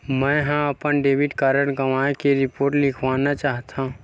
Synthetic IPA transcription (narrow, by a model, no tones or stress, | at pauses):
mɛ̃ɦãɐpənɖeːʋɪʈkaːɾəɽɡɐʋaːẽkeɾɪpoːɾʈlɪkʰʋaːnat͡ʃaːɦt̪ʰãũ